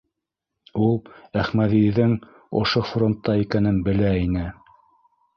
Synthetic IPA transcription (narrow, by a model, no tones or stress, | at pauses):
ulˠæχmæðiðɘŋ | ŏ̰ʃofront̪ːɑikænɘnbɘ̆læinɘ